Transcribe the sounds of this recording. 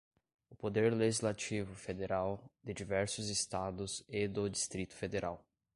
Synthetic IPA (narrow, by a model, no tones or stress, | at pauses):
ʊpod̪eɾleʒizlat͡ʃivʊfed̪eɾawd̪ɪd͡ʒivɛɾsʊzest̪ad̪ʊzɪd̪ʊd͡ʒist̪ɾit̪ʊ̥fed̪eɾʔaw